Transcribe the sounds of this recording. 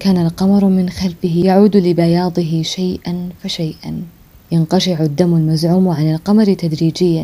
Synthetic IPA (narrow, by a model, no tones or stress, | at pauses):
kaːnalqɑmɑɾˤmɪnxalfɪɦɪjaʕuːd̪lɪbajɑːd̪ˤɨɦɪʃajʔanfaʃajʔan | janqɑʃɪʕad̪ːamːalmazʕuːmʕanɪlqɑmɑɾˤt̪ad̪ɾiːd͡ʒɪjːa